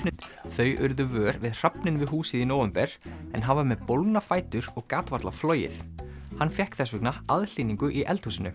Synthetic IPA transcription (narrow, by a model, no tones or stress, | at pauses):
nθœɥʔʏɾðʏvœːɾvɪðr̥apnɪnvɪðɦuːsɪðinoːwvɛmpɛɾ̥ɛnɦavamɛðpowlknafaːjt̪ʏɾɔɣkaːt̪vaɾt̪lafloːjɪ̰θ | hanːfjɛhkθɛsʏknaaðl̥iːniŋkʏʔiʔɛ̰lt̪huːsɪnʏ̰